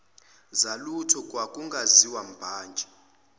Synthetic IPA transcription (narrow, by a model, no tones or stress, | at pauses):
zalutʰɔkʼwakʼuŋɡʱaziwam̩b̥ʱaːnd͡ʒʱɛ